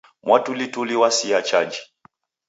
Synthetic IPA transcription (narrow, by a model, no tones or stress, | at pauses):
mwatulituliwasiat͡ʃad͡ʒi